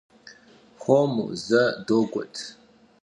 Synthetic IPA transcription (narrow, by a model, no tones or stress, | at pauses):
xʷomṵzɐdoːɡʷɔ̰tʰ